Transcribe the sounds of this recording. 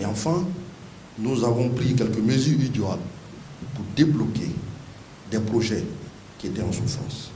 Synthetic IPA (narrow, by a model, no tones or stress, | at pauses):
eɑ̃fɛ̃ | nuzavɔ̃pɾikɛlkəmezyʁid̪oal | puɾd̪eblɔkḛ | d̪ɛpɾoʒɛ | kʲiet̪ɛɑ̃sufɾɑ̰̃s